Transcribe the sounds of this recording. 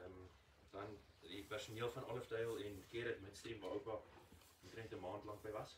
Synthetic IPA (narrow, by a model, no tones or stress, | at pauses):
m | d̥ɐn | dipærsuniəlˠfɐnʔɔləfdɐjlˠɛnkiəɾət̚mətstɾimvɑːəwpɐp | ətɾəntəmɑːntlɐŋ̚bəjvɐs